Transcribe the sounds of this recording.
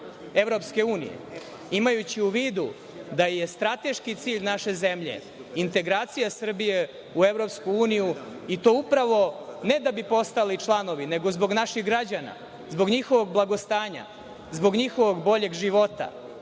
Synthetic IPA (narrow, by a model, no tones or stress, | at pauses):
eʋɾo̞pske̞uːnḭjḛ | imajut͡ɕiuʋiːd̪u | d̪aje̞st̪ɾat̪e̞ʃkit̪siːʎnaʃe̞ze̞mʎe̞̰ | int̪e̞ɡɾaːt̪sijasr̩bije | uevɾo̞pskuuːnijuit̪o̞upɾaʋo̞ne̞d̪abipo̞st̪alit͡ʂlˠano̞ʋineɡo̞zbo̞ɡnaʃiɣɡɾad͡ʑana̰ | zboɡɲixo̞ʋo̞ɡblˠaɡo̞st̪aːɲa̰ | zbo̞ɡɲixo̞ʋo̞ɡbo̞ʎe̞ɡʒiʋo̞t̪a̰